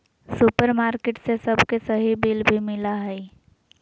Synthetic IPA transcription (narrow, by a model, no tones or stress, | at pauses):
sʊpəɾmaːɾkeːʈsesɐbʱkesɐɦibɪlbʱimɪlaɦɛi